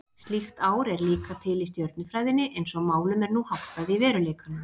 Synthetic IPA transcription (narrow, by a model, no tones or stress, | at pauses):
st̪lixt̪aːwɾɛɾliːkat̪ʰɪlist̪jœɾt̪nʏfɾaːjðɪnːɪʔejnsɔamaːwlʏmɛɾnuhawht̪aðɪvɛːɾʏleːjkanʏ